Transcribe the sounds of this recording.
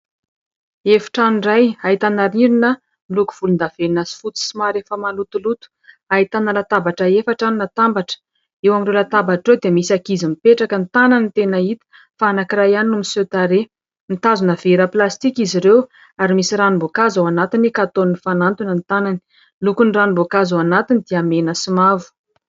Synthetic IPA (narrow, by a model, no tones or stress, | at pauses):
efi̥ʈ͡ʂanirajait̪anaɾiɾinə | luku̥v̥ulund̪aveinazi̥fut͡si̥simaɾefəmalut̪ulut̪u̥ | ait̪analat̪abaʈ͡ʂəefaʈ͡ʂaninat̪ambaʈ͡ʂə̥ | ewamirewlat̪abaʈ͡ʂrewd̪emisakizimipeʈ͡ʂakənt̪ananit̪enəit̪u̥ | faanakirajaninumiset̪aɾe | nit̪azunəveɾəplast̪ikiziɾew | aɾimisiɾanumbokazawanat̪inikat̪onnifanant̪unənt̪anani̥ | lukuniranimbokazawanat̪inid̪̥iamenəsimavu̥